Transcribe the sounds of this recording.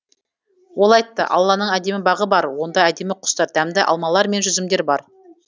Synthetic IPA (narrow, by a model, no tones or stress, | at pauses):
wo̞lˠɑjt̪ːə̰ʔɑ̰lˠːɑnəɴæd̪e̞mɪbɑʁəbɑɾwo̞nd̪ɑæd̪e̞mɪqʰʊ̥st̪ɑɾd̪æmd̪ɪʔɑ̰lˠmɑlˠɑɾme̞nʒʏzɪmd̪e̞ɾbɑɾ